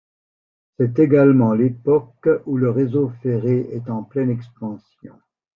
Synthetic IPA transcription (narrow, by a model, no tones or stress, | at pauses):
sɛt̪̬eɡalmɑ̃lepɔkuləʁezofeʁeɛt̪ɑ̃plɛnɛkspɑ̃sjɔ̰̃